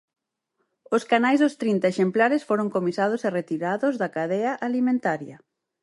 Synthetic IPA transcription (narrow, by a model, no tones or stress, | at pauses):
oskanajzðʊst̪ɾint̪ɐeʃemplaɾesfoɾoŋkomisað̞ʊseret̪iɾaðʊzðɐkaðɛɐʔalimẽnt̪aɾjɐ